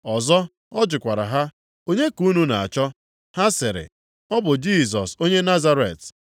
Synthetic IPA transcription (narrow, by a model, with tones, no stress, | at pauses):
ɔ˨zɔ˦ | ɔ˦d͡ʒʊ˨kʷa˨ɾa̰˨ɦa˦ | o˦ɲe˦ku˨˦nu˦na˨a̰˨t͡ʃɔ˦ | ha˦sɪ˨ɾɪ̰˨ | ɔ˦bʊ˨d͡ʒi˦˨s̬ɔ˨so˦ɲe˦na˦za˦ɾḛ˨t